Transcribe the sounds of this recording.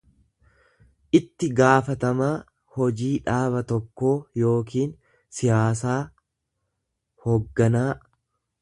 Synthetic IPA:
ʔɪt̪ːɪɡaːfɐt̪ɐmaː | hɔd͡ʒiːᶑaːbɐt̪ɔkːo̞ːjo̞ːkiːn | sɪjaːs̬aː | hoɡːɐnaː

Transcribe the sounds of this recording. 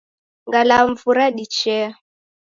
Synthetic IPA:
ŋɡalaɱ̩vuɾaɗit͡ʃɛ

